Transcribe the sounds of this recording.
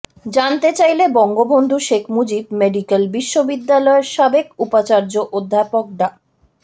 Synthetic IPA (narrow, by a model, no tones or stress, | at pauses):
d͡ʑant̪et͡ɕajlebɔŋɡobond̪ʱuʃekʰmud͡ʑib̚meɖikelbiʃːobid̪ːalɔeɾʃabekupat͡ɕaɾd͡ʑoʔod̪ʱːapok̚ɖa